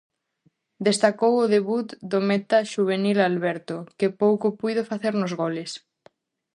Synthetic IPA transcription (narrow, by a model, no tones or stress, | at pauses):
d̪est̪akowʊðeβut̪d̪omɛt̪aʃuβ̞enilalβɛɾt̪ʊkɪpowkʊpujðofaθeɾnʊzɣolɪs